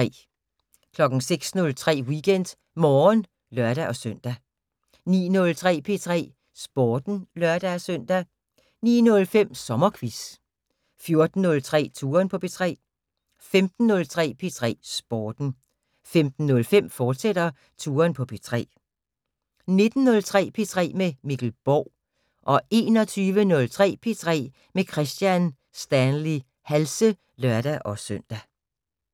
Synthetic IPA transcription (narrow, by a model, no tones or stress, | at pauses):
ɛ̰ː | kʰlɒ̽ɡ̥n̩seɡ̥snɔ̽lt͡sʰʁɛ̰ːwiɡ̥en̰d̥ | mɒːn | lɶɐ̰ɾ̥æʔɒ̽søn̰d̥æ | nḭːnɔ̽lt͡sʰʁɛ̰ːpʰe̝t͡sʰʁɛ̰ː | sb̥ɒːd̥n̩lɶɐd̥æsøn̰d̥æ | nḭːnɔ̽lfem̰sɒ̽mɐkʰʋis | fjo̝ɐd̥n̩ːɔ̽lt͡sʰʁɛ̰ːt͡sʰuːɐnpʰɒ̽pʰe̝t͡sʰʁɛ̰ː | femd̥n̩ːɔ̽lt͡sʰʁɛ̰ːpʰe̝t͡sʰʁɛ̰ːsb̥ɒːd̥n̩ | femd̥n̩ːɔ̽lfem̰fɒːd̥sed̥ɐ | t͡sʰuːɐnpʰɒ̽pʰe̝t͡sʰʁɛ̰ː | ne̝d̥n̩nɔ̽lt͡sʰʁɛ̰ːpʰe̝t͡sʰʁɛ̰ːmemiɡ̥l̩b̥ɒʊ̰ | ʔɒ̽e̝ːnɒ̽t͡sʰyːʋənɔ̽lt͡sʰʁɛ̰ːpʰe̝t͡sʰʁɛ̰ː | mekʰʁɛsd̥jæn | sd̥ænli | hælsə | lɶɐɾ̥æʔɒ̽søn̰d̥æ